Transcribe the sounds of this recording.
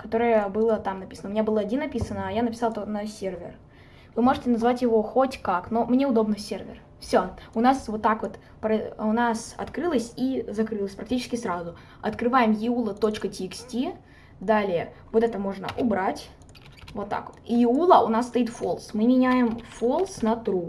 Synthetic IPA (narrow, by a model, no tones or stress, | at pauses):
kɐt̪o̞ɾəjəbɨlˠət̪amnɐpʲi̥sənəʊmʲɪnʲabɨlˠəɐdʲinːɐpʲisənəːjanəpʲɪsɑlˠt̪onəsʲe̞rvʲɪ̰r | vɨmo̞ʐɨtʲɪnɐzvatʲjɪvo̞xotʲkaknomnʲe̞ʊd̪o̞bnɨsʲervʲɪ̰r | fsʲoʊnasvo̞t̪ːakvo̞t̪ | pɾəʊnasɐ̰t̪kɾɨlˠəsʲizɐkɾɨlˠəsʲpɾɐk̚tʲit͡ɕɪskʲɪsɾazʊ | ɐt̪kɾɨvajɪmjɪulˠət̪o̞t͡ɕkətʲɪːksʲtʲi | d̪alʲɪjə | vot̪ɛt̪əmo̞ʐnə̰ʔʊbɾatʲ | vo̞t̪ːa̰kvot̪jɪulˠəʔʊnasːt̪ɐit̪folˠsmɨmʲɪnʲæjɪmfolˠsnɐt̪ɾu